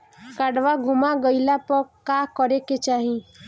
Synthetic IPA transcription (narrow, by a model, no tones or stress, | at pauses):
kəɽʋaɡʱʊmaɡəɪlapəɾkakəɾeket͡ʃaːɦi